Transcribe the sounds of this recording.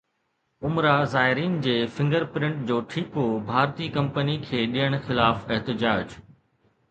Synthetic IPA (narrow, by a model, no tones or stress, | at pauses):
ʊmɾazaːɦɪɾiːnd͡ʑeːfɪ̃ŋɡəɾpɾɪ̃ɳʈd͡ʑoːʈʰikobʱaːɾt̪ikɐ̃mpənikʰeːɗijəɽ̃xɪlaːfɪɦt̪ɪd͡ʑaːd͡ʑ